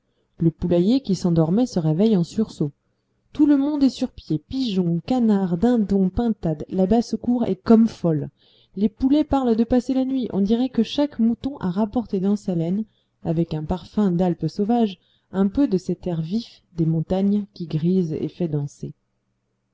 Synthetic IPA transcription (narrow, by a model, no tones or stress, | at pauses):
ləpulajekʲisɑ̃d̪ɔʁmɛsəʁevɛjɑ̃syʁso | t̪uləmɔ̃d̪ɛsyʁpjepiʒɔ̃kanaʁd̪ɛ̃d̪ɔ̃pɛ̃t̪ad̪labasəkuʁɛ̰kɔmfɔl | lepulɛpaʁld̪əpaselanɥiʔɔ̃d̪iʁɛkəʃakmut̪ɔ̃ʔaʁapɔʁt̪ed̪ɑ̃salɛn | avɛkɛ̃paʁfɛ̃d̪alpsovaʒ | ɛ̃pød̪əsɛt̪ɛʁvif | d̪emɔ̃t̪aɲkʲiɡʁizḛfɛd̪ɑ̃se